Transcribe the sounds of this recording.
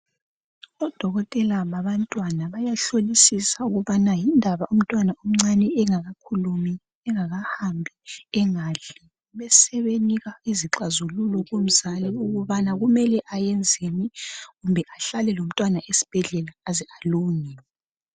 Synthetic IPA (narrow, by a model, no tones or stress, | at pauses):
ɔd̥ʱɔɣɔtʼɛlaβaβantʼwanaβajaɬolisisauɣuβanajindʱaβaʔum̩tʼwanaom̩ŋ͡ǀanɛɛŋaɣakʰulumi | ɛŋaɣahambʱiɛŋaɮɛ | βɛsɛβeniɣaeziǁazululɔɣom̩zalɛuɣuβanaɣumɛlɛʔajɛnd͡zʱeniɣumbʱɛʔaɬalɛlom̩tʼwanaʔesi̥b̥ʱɛɮɛlaːzɛaluːŋi